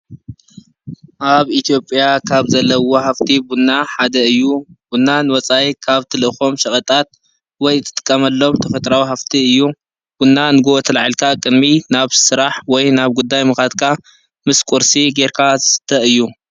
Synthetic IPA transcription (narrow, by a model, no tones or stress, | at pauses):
ʔaβit̪ʰijo̞pʼjakʰaβzɐlːɐwohaft̪ʰibunːaħad̪ɐɨjːubunːanɨwɔt͡sʼajkʰaβt̪ʰɨlɨɨxo̞mʃɐxʼɐt̪ʼat̪̚ | wɔjɨt̪ʰːɨt̪ʼɨ̥kʼːɐmɐlːo̞mt̪ʰɐfɐt̪ʼɾawiɦaft̪ʰiɨjːu | b̥unːanɨɡoot̪ʰɐlaʕalkʰakʼɨd̪minaβsɨɾaħwɔjnaβɡud̪ːajmɨxat̪kʰa | mɨskʷʼuɾsiɡeɾkʰazɨsɨ̥t̪ʰːɐɨjːu